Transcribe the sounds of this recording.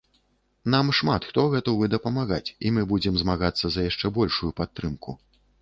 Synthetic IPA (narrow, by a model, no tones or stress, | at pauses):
n̪amʂmat̪xt̪ɔɣɛt̪ɐvɨd̪ɐpɐmaɣat͡sʲimɨbud͡zʲɛmzmaɣat̪sːɐzɐjaʂt͡ʂɛbɔlʲʂujupat̪ːɾɨmkṵ